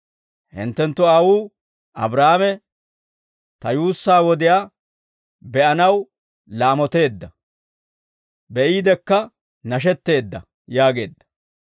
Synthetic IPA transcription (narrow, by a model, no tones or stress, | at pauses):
hɪ̰nt̪ːɛnt̪ːʊaːwuː | ʔɐbɾaːmɛ | t̪ɐjuːsːaːwɔd̪ɪjaː | bɛʔɐnɐw | laːmɔt̪e̞ːd̪ːɐ | bɛʔiːd̪ɛkːɐ | nɐʃ̬ɛt̪ːe̞ːd̪ːɐ | jaːɡe̞ːd̪ːɐ̥